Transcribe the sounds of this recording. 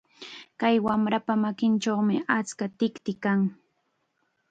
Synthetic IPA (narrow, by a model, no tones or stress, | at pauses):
kajwamɾapamakɪnt͡ʃomɪat͡skat̪ɪkt̪ɪkaŋ